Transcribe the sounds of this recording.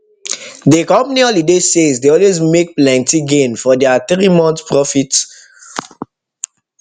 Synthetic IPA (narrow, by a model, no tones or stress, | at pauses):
dekɔ̃mpaniɔlidesezdeɔlwezmek̚plɛ̃ntiɡẽnfɔdɛat̪ɾimɔ̃ntpɹɔfit